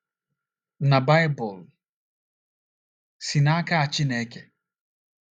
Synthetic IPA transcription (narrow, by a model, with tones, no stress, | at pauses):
na˨ba˦ɪ˦bɔ˨l | si˨na˦ka˦a˨t͡ʃɪ˦ne˨˦ke˨